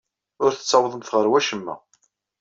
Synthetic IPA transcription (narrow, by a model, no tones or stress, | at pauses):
ʊɾθə̥t͡sːɑwðˤəmθʁəɾwæʃəmːæ̰